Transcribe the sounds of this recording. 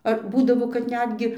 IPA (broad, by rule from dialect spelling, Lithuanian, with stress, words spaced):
ɐr ˈbuːdɐʋoː kɐt ˈnʲæːdʲɡʲɪ